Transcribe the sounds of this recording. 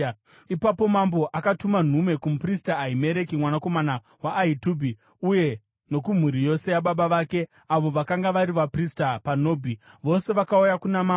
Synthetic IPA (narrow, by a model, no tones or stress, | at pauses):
ipapo̞mambo̞ʔakatuman̤umwe̞kumupristaːime̞ɾe̞kimwanako̞mana | waʔːituːbʱi | uje̞ | no̞k̬um̤uɾijo̞se̞jaɓaɓaʋaːke̞ | aʋo̞ʋakaŋɡaʋaɾiʋapristapano̞ːbʱiʋo̞se̞ʋakaujakunama